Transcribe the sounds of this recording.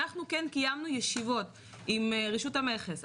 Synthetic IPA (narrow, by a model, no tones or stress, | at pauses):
aχnukenkijamnujeʃivo̞t | imʁiʃuthame̞χes